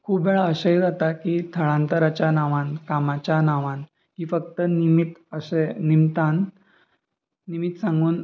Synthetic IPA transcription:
kʰuːbʋɛɭəɕəjd͡zat̪akiːt̪ʰəɭãnt̪əɾat͡ɕjanaʋãnkamat͡ɕjanaʋãn | kiːfəkt̪ənimit̪əsenimt̪an | imit̪sãŋɡuːn

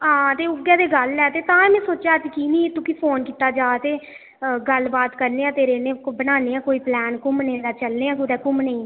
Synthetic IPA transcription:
ɦãːt̪eːʊɡɛ̃ːd̪eːɡəlɛːt̪eːt̪ãːɛmɛ̃ːsoːt͡ʃaːəd͡ʒkiːnĩːt̪ʊkiːpʰoːnkiːt̪aːd͡ʒaːt̪eː | ɡəlbaːt̪kəɾneːãːt̪eːɾeːneːbənaːneːãːkoːiːplɛːnkʊmneːd̪aːt͡ʃəlneːãːkod̪ɛːkʊmnẽĩː

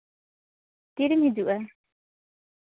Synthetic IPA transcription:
t̪iɾimid͡ʒuʔa

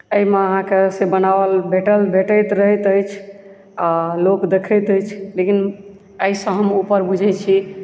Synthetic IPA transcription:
əimeəɦãkesebənabəlbʱeʈəlbʱeʈəjt̪ɾəɦjt̪əjt͡ʃʰ | alokd̪ekʰət̪əjt͡ʃʰlekin | əjsə̃ɦəmupəɾbud͡ʒʱɛt͡ʃʰi

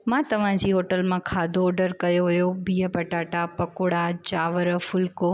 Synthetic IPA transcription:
mãːt̪ɐʋ̤ãd͡ʑiːɦoːʈəlmãkʰaːd̪ʱoːɖəɾkɐjoɦʊjobiːəpɐʈaːʈapɐkʊɽat͡ɕaːʋəɾə̆fʊlko

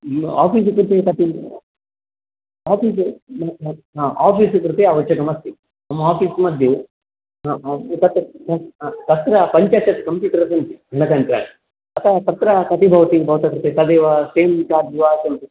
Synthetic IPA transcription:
a̰ːpiːs̬ukɾut̪ekɐt̪i | aːpiːs̬ | aːpiːskɾut̪eɐʋɐt͡ʃːɐkɐmɐst̪i | nɐmːɐaːpiːsmɐd̪ʱju | t̪ɐt̪ɾɐt̪ɐt̪ɐt̪ɾɐpɐɲt͡ʃaːt͡ʃːɐt̪ːi̥kɐmpjuːʈɐɾɐsɐnt̪iɡʱɐnɐkɐnt̪ɾa̰ːni | ɐt̪ʰat̪ɐt̪ɾɐkɐt̪ibʱɐʋt̪ibʱɐʋt̪ɐkɾut̪esɐd̪eːʋaseːmt͡ʃaːd͡ʒʋaːsent̪u

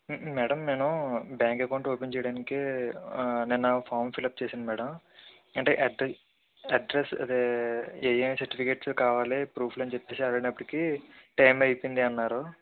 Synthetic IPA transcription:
mɛːɽɐmːe̞ːnubjaːŋkɐkɐwɳɖoːpeɲt͡ʃɛjɽaːnike | ninːɐpʰaːɾmpilɐp̚t͡ʃeːsind̪imɛːɽɐm | ɐɳʈḛːʔɐɖ | ɐɖɾesɐ̰d̪eeːjɐnsɐɾʈipʰikeːʈskaːʋaːlipɾuːpʰlɐnt͡ʃepːe̞ːsiɐlɐɽiɐpːɐɽikiʈɐjmɐjpind̪iɐnːaːɾu

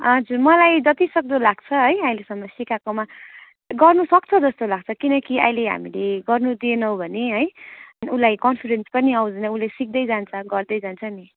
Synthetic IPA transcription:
ɦʌd͡zurmʌlajd͡zʌt̪isʌk̚d̪olaɡ̚t͡sʰʌɦʌjajlesʌmːʌsikakoma | ɡʌrnusʌkt͡sʰʌd͡zʌst̪olaɡ̚t͡sʰʌkinʌkia̰jleɦa̰mileɡʌrnud̪ienʌwbʱʌneɦʌjulajkʌnpʰiɾenspʌniawd͡znʌulesik̚d̪ʌjd͡zant͡sʰʌɡʌrd̪ʌjd͡zant͡sʰʌni

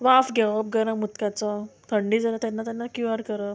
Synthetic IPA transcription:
ʋafɡʱɛʋəp̚ɡəɾamːut̪kat͡sat̪ʰəɳɖid͡zəlat̪janːat̪janːakjuəɾkəɾə

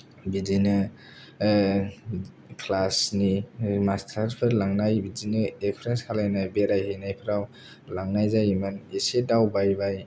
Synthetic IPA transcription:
bizinɯ | kʰlasnimastʰaɾpʰɯɾlaŋnajbizinɯepʰɾenshʰalajnɯbeɾajhejnajpʰɯɾaw | laŋnajzajimanesedawbajbaj

